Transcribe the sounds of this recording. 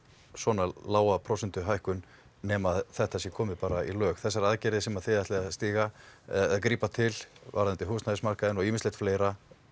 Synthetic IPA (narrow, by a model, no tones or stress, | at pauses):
sɔːnalaːwapʰɾɔsɛnt̪ʏɦajhkʏn | nɛmaðθɛht̪asjɛkʰɔːmɪpaːɾaḭlœːxθɛsːaɾaðcɛɾðɪsɛmaðθɪðaht̪lɛɣast̪iːɣa | kɾiːpat̪ʰɪlva̰ɾant̪ɪɦuːstnaðɪsmar̥kaðɪnɔɣiːmɪslejt̪fleːjɾa